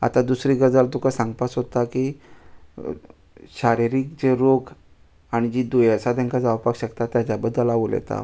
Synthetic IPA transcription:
a̰t̪ad̪usɾiːɡəɾd͡zalt̪ukasãŋɡpasɦot̪aki | ɕaɾiɾik̚d͡ʑeɾoɡ | aɽ̃id͡ʑiːd̪ojəsat̪jãŋkad͡zaʋpakɕəkt̪at̪ːjat͡ɕjabəd̪ːəlaʋoljḛt̪a̰

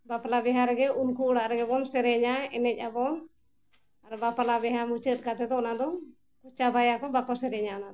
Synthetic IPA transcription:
bapalabɛɦaɾɛɡɛʔunkuɽaʔɾɛɡɛbɔnsɛɾɛɲaɛnɛc̚ˀabɔn | aɾɛbapalabɛɦamut͡ʃət̪̚kat̪ɛd̪ɔʔnad̪ɔ | kɔt͡ʃabajakɔbakɔsɛɾɛɲaɔnad̪

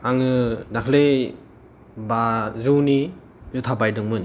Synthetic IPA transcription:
aŋɯnakʰle | bazuwni | zutʰabajdɯŋmɯn

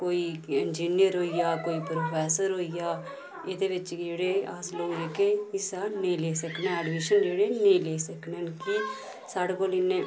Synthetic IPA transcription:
koːiɪnd͡ʒiːnijəɾɦoːijaːkoːiːpɾoːpʰɛːsəɾɦoːijaː | ɪd̪eʋɪt͡ʃd͡ʒeːɽeːasloːɡɾeːkeɪsaːnəĩleːsəknaːɛːɖmiʃənd͡ʒeːɽeːnəĩːleːsəkneki | saːɽekoːlɪnːẽː

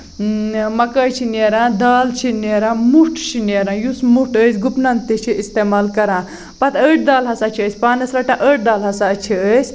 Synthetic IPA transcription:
mɐkəːjt͡ʃʰineːɾãːd̪aːlt͡ʃʰineːɾãːmuʈʰt͡ʃʰineːɾãːjusmuʈəːsʲɡupnɐnt̪it͡ʃʰiist̪eːmaːlkɐɾãː | pɐt̪əːʈ̚ʰd̪aːlɦɐsaːt͡ʃʰiəːsʲpaːnɐslɐʈãʔəːʈ̚d̪aːlɦɐsaːt͡ʃʰiəsʲ

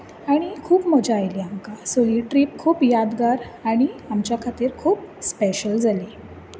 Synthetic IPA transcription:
aɽ̃ikʰuːpməd͡ʑaːjliamkasoliʈɾiːp̚kʰuːpjad̪ɡaɾ | aɽ̃iamt͡ɕjakʰat̪iːɾkʰuːp̚speɕəld͡zʱale

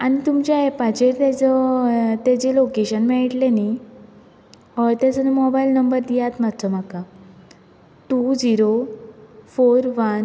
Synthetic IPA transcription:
añit̪umt͡ɕaepat͡ɕeɾt̪at͡sət̪ad͡ʑelokeɕənmɛɭiʈlene | ɦɔjt̪at͡sənemɔbailnəmbəɾd̪ijat̪mat̪ːt͡səm̤aka | ʈud͡ziɾo | foɾʋən

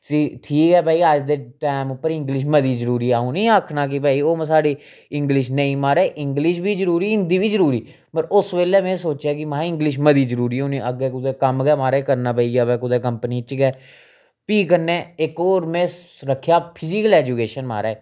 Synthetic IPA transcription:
siːʈʰiːkɛːpaːiːəd͡ʒd̪eːʈaːmʊpːəɾɪ̃ŋɡlɪʃməd̪iːzəɾuːɾiːaːũːnĩːaːkʰnaːk̬ɪpaːiːoːm̃ːsaːɖiː | ɪ̃ŋɡlɪʃnəĩːmaːɾeːʔɪŋɡlɪʃbʱiːzəɾuːɾiːɪ̃nd̪iːbʱiːzəɾuːɾiː | pəɾʊsʋeːleːmɛ̃ːsoːt͡ʃaːkɪmãːɪ̃ŋɡlɪʃməd̪iːzəɾuːɾiːʊniəɡeːkʊd̪eːkəmɡɛːmaːɾeːkəɾnaːpəːiːjaːbɛːkʊd̪ɛːkəmpəniːt͡ʃɡɛː | piːkəɾnẽːɪkoːɾmɛ̃ː | ɾəkʰːjaːpʰɪzɪkəlɛːd͡ʒukeːʃənma̰ːɾɛː

